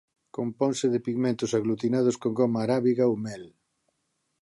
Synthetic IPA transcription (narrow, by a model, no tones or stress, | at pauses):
kompɔŋsɪðɪpiɣmẽnt̪ʊsaɣlut̪inað̞ʊskoŋɡomaːɾaβiɣaomɛl